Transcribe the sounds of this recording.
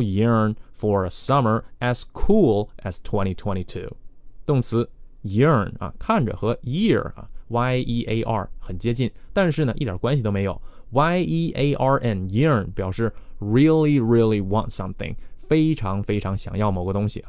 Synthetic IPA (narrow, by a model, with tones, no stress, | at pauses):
ji˧˥nfɔ˨˩ɹə˩sʌ˥mə˞˧˩æ˩z̥kʰu˥lˠʔæ˨z̥tʰwɛ̃˥ñi˧tʰwɛ̃˥ñi˧tʰṵ˥˩t̪ʊ˥˩ŋt͡sʰɹ̩˧˥ji˧˥ə˧nɐ̰˨kʰa˥˩nʈ͡ʂə̰˨˩xɤ˧˥ji˥˩ɐ̰˨˩wa˥ɪi˥ʔe˥ɪʔɑ̰˥˩xə˨˩nt͡ɕjɛ˥t͡ɕi˥˩nt̪a˥˧nʂɻ̩˥˩nə˩ʔi˥t̪jɑ˨˩kwa˥nɕi˨t̪o˥me˧˥ɪjo̰˨˩˦ʊ | wa˥ɪi˥ʔe˥ɪʔɑ˥˧ʔɛ˥˩nji˥ə˧npjɑ˨˩ʊʂɻ̩˥˩ɹi˥li˧ɹi˥lˠi˧wɑ̰˧ntsʌ̰˥mθɪ̰̃˨˧ŋfe˥ɪʈ͡ʂʰɑ˧˥ŋfe˥ɪʈ͡ʂʰɑ˧˥ŋɕjɑ̰˨˩ŋjɑ˥˩ʊmo˨˩ʊɡə˧t̪ʊ˥ŋɕḭ˨